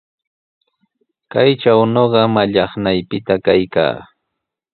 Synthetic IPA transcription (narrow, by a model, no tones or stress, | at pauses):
kajt͡ʃawnoɢɑmaʎɑχnajpɪt̪akajka̰ː